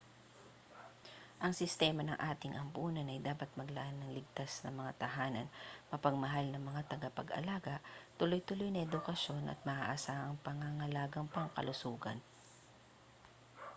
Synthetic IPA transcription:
ʔɐŋsɪst̪ɛːmɐnɐŋʔaːt̪ɪŋʔɐmpuːnɐnɐjd̪aːpɐt̪̚mɐɡlɐʔanːɐŋlɪɡ̚t̪asnɐŋmɐŋat̪ɐɦaːnɐnmɐpɐɡ̚mɐɦalnɐŋmɐŋat̪ɐɡapɐɡɐ̰laːɡɐʔt̪ʊlo̞jt̪ʊlo̞jnɐʔɛd̪ʊkɐʃo̞nʔɐ̰t̪̚mɐʔa̰ʔɐsaːʔɐŋpɐŋaŋɐlaːɡɐŋpɐŋkɐ̰lʊsuːɡɐ̰n

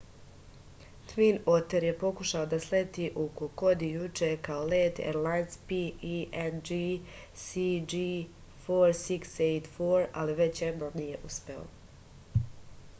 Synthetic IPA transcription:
t̪ʋinot̪eɾje̞po̞kuʃaod̪aslet̪iʔokoko̞d̪ijut͡ʃekaoleːt̪ḛɾlajnspiiɛnd͡ʒi | sid͡ʒi | foɾsiksejt̪foːɾa̰liʋe̞t͡ɕjed̪nonije̞ʔuspe̞o̰

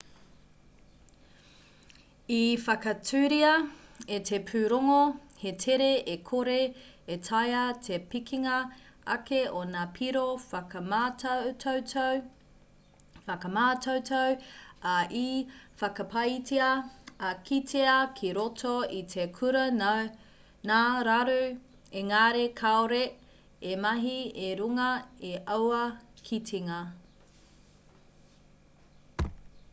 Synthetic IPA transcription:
ifɐkɐtʰʉːɾiɐetʰepʰʉːɾoŋohetʰeɾeʔekʰoɾe | etʰɐjɐtʰepikʰiŋɐ | ɐkeʔonaːpʰiɾofɐkɐmatʰowtow | fɐkɐmaːtowtʰowɐʔifɐkɐpʰɐjtʰeɐɐkʰitʰeɐkʰiɾotʰoitʰekʰuɾɐ | naːɾaɾu | eŋaːɾekʰaoɾe | emɐɦieɾuŋɐeʔɐwɐkʰitʰiŋɐ

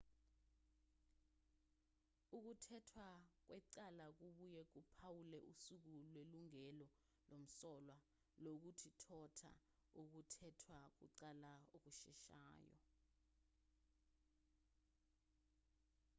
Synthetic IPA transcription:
uk̬utʰɛtʰwak̬wɛǀalak̬uɓujɛk̬upʰawulɛʔusuk̬ulweluŋɛlɔ | lom̩sɔlwa | lok̬utʰitʰɔtʰa̰ | uk̬utʰɛtʰwak̬ṵǀalaok̬uʃɛ̰ʃa̰ːjɔ̰

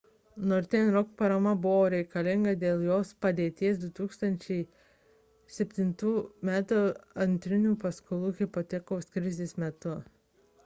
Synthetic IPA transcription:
nɔɾʲt̪ʲɛnɾɔkpɐɾɐmɐbʊʋoːɾʲɛɪkɐlʲɪŋɡɐd̪ʲeːlˠjoːspɐd̪ʲeːt̪ʲiɛs̬d̪ʊt̪uːkst̪ɐnʲt͡ʃʲɛɪ | sʲɛpʲt̪ʲɪnt̪uːmʲæːt̪uɐnʲt̪ʲɾʲɪnʲuːpɐskʊlˠuːɣʲɪpot̪ʲɛkoːskɾʲɪzʲeːsmʲɛt̪ʊ

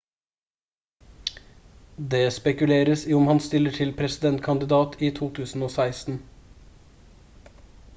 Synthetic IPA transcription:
d̪eːspɛkʉleːɾəsiʊmhɑnst̪ɪləʈʰɪlpʰɾɛsɪd̪ɛnt̪kʰɑnd̪ɪd̪ɑːt̪ʰiːt̪ʰuːt̪ʰʉːsn̩oːsæɪst̪n̩

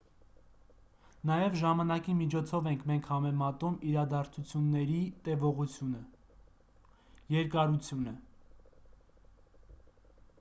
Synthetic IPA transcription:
nɑjɛvʒɑmɑnɑkimit͡ʃʰɔt͡sʰɔvɛŋkʰmɛŋkʰhɑmɛmɑt̪umiɾɑd̪ɑɾt͡sʰut͡sʰjunːɛɾit̪ɛvɔʁut͡sʰjunə | jɛɾkɑɾut͡sʰjunə

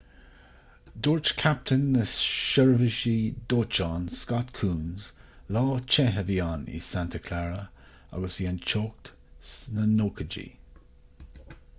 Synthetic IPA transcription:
d̪oːɹt͡ʃkʰap̚t̪ʰənəsʃəɹvɪʃid̪oːt͡ʃɑːnskɑt̪kʰuːnzlɑːt͡ʃʰɛɦəviːaːnḭsant̪ʰəkʰlaɹə | a̰ɡəsviːant͡ʃʰoːk̚t̪ | snənoːkʰəd͡ʒḭ

